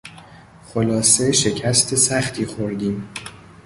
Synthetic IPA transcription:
xolɒːse̞ʃe̞cʰæst̪ʰesæxt̪ʰiːxoɾd̪iːm

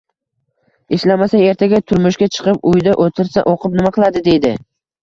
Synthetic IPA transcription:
ɪʃlamasae̞ɾt̪ʰaɡʲat̪ʰʊɾmʊʃɡʲat͡ʃʰɨ̥qɨp̚ʊjd̪aʔot̪ʰɪɾsaʔoqɨp̚nɪmaqʰɨlˠad̪ɪd̪e̞jd̪ɪ

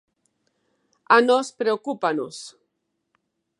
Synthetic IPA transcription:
anospɾeokupanus

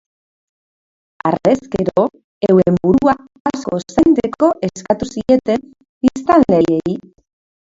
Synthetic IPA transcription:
a̰re̞skeɾo̞ | ewembuɾua | asko̞sent̪eko̞ʔe̞skat̪usie̞t̪en | bist̪anle̞jei

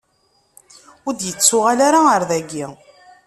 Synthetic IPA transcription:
ʊɾd̪jət͡sːʊʁalaɾaəɾðæɡːi

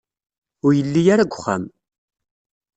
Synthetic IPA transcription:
ʊɾjəlːijaɾaɡʷχːa̰m

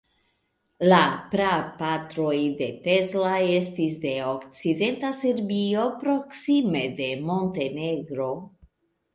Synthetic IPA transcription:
lapɾapatɾo̞jde̞tezlae̞stis̬de̞okt͡side̞ntase̞ɾbio̞pɾo̞ksime̞de̞mo̞nte̞neɡɾo̞

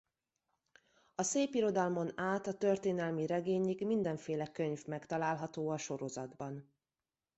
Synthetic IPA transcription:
ɒseːpiɾo̞d̪ɒlmo̞naːt̪ɒt̪ørt̪eːnɛlmiɾɛɡeːɲiɡmind̪ɛɱfeːlɛkø̞ɲvmɛkt̪ɒlaːlɦɒt̪oːɒʃo̞ɾo̞zɒd̪bɒn

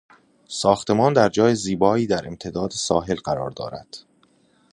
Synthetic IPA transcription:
sɒːxt̪ʰe̞mɒːnd̪æɾd͡ʒɒːjeziːbɒːiːd̪æɾe̞mt̪ʰe̞d̪ɒːd̪esɒːɦe̞lɢæɾɒːɾd̪ɒ̰ːɾæ̰d̪̥

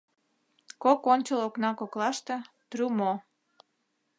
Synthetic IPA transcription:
kokonʲt͡ɕəloknɑkoklɑʃt̪ĕ | t̪rymo

